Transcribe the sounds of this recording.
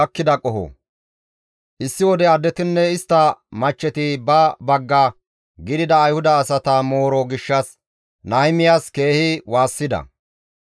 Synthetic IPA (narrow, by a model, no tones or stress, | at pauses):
ɐkːɪd̪ɐkʼɔhɔ̰ | ʔɪsːɪwɔd̪ɛɐd̪ːɛt̪ɪnːɛɪst̪ːɐmɐt͡ʃːɛt̪ɪbɐbɐɡːa | ɡɪd̪ɪd̪ɐːjhʊd̪ɐːsɐt̪ɐmo̞ːɾɔɡɪʃːɐs | nɐhɪmɪjaːske̞ːhɪwaːsːɪd̪ɐ̰